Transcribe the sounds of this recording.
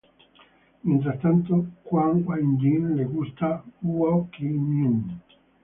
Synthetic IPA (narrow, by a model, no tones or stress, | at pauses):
mint̪ɾast̪ant̪okwaŋkwaind̪inleɡust̪auakinin